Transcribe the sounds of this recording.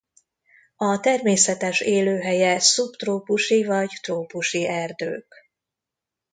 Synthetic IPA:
ɒt̪ɛrmeːsɛt̪ɛʃeːløːɦɛjɛsupt̪roːpuʃivɒɟt̪roːpuʃiɛrd̪ø̰ːk

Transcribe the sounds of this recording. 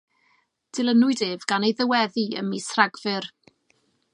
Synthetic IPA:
d̥ɪlˠənʊɨdeːvɡ̥anejðəwɛðiə̰misraɡvɨr

